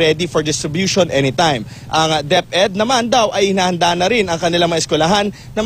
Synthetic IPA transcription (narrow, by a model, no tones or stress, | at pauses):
ɛd̪ifoɹd̪ɪst̪ɾɪbjuːʃonʔɛnit̪ajm | ʔɐŋd̪ɛp̚ʔɛd̪̚nɐmand̪awʔɐjɪnaːhɐnd̪aːnɐɾɪnɐŋkɐnɪlaŋmɐɐʔɪskwɛlɐɦanːɐm